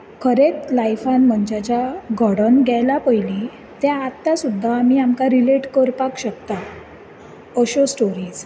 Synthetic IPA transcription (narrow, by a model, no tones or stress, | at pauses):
kʰəɾet̪lajfanm̤əɳd͡ʑat͡ɕaɡʱəɽənɡʱɛjlapəjli | t̪aat̪ːasud̪ʱːaːmiamkaɾileʈkəɾpakɕəkt̪a | əɕosʈoɾiːd͡z